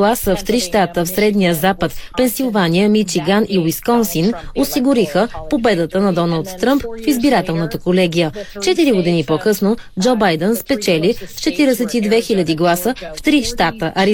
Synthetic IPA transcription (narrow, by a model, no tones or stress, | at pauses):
lˠasəft̪ɾiʃt̪at̪əfsɾɛd̪nijəzapət̪pɛnsilˠvanijəmit͡ʃiɡaniwiskɔnsinosiɡʊɾixəpobɛd̪ət̪ənɐd̪ɔnəlˠt̪ːɾəmpfizbiɾat̪ɛlˠnət̪əkolɛɡ̟ʲijət͡ʃɛt̪iɾiɡod̪inipokɤsnod͡ʒɔbajd̪ənspɛt͡ʃɛlist͡ʃɛt̪iɾɛsɛt̪id̪vɛxilʲɐd̪iɡlˠasəft̪ɾiʃt̪at̪əʔɐɾi